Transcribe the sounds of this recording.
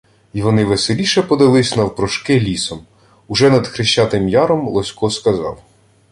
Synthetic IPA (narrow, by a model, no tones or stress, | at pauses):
iʋɔnɪʋeselʲiʃɛpɔd̪ɪlˠɪsʲnɐwpɾɔʃkɪlʲisɔm | ʊʒɛnɐd̪xɾɪʃt͡ʃɑt̪ɪmjɑɾɔmlˠɔsʲkɔskɐzɑ̰w